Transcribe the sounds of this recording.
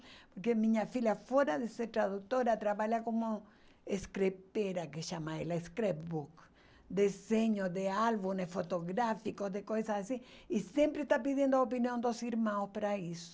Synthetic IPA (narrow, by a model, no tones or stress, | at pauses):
poɾkemĩɲafilafoɾaðeseɾt̪ɾaðuk̚t̪oɾat̪ɾaβaʎakomo | eskɾepeɾakeʃamaelaeskɾepbuk | d̪eseɲoðealβunesfot̪oɣɾafikozðekojsasasiisjẽmpɾest̪apiðjẽnd̪oopinjõnd̪osiɾmãwspaɾaiso̥